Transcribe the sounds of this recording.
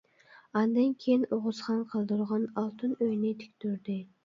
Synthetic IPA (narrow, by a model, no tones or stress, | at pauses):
ɑnd̪ɨnkʲʰejinoʁʊzχɑnqʰəlˠd̪ɨɾʁɑnɑlˠt̪ʰɨnøjnɪt̪ʰɪ̥kʲt̪yɾd̪ɪ